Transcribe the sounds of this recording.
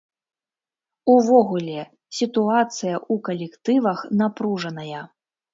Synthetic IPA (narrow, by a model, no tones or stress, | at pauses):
uvɔɣulʲɛ | sʲit̪uat̪sɨjɐʔukɐlʲɛkt̪ɨvɐxnapɾuʐɐnɐjɐ